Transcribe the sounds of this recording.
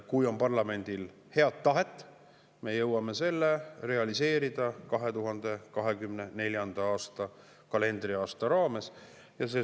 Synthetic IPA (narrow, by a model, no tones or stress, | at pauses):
kujo̞mpɑrlɑme̞nʲd̪̥il | he̞ɑt̪ːɑɦe̞t̪ˑː | me̞jɤwːɑme̞se̞lːere̞ɑlise̞ːɾid̪̥ɑkɑɦe̞t̪uɦɑnd̪̥e̞kɑɦe̞kymne̞ne̞lʲjɑnd̪ɑɑːst̪ɑ | kɑle̞nd̪̥riɑːst̪ɑɾɑːme̞s | jɑseː